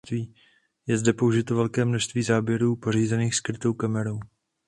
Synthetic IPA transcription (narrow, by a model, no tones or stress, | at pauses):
t̪viː | jɛzdɛpo̞uʒɪt̪ovɛlkɛːmnoʃst̪viːzaːbjɛɾuːpo̞r̝iːzɛniːxskɾɪt̪o̞wkamɛɾo̞w